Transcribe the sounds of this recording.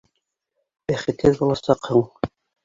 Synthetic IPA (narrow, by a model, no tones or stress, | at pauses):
bæχɘ̆t̪hɘðbulˠɑsɑqhɤɴ